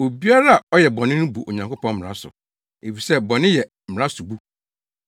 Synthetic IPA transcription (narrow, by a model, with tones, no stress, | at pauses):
o˨bi˦a˦ɾa˦a˨ɔ˦jɛ˨bɔ̃˨nɪ̃˦nɪ̃˦bu˨ʔo˨ɲã˨ŋko˦pɔ̃˦m˦m̃˨ɾã̰˦sʊ̰˨ | e˨fi˨sɛ˦bɔ̃˨nɪ̃˦jɛ˨m̩˨m̩ɪ˨ɾã˦sʊ˨bu˦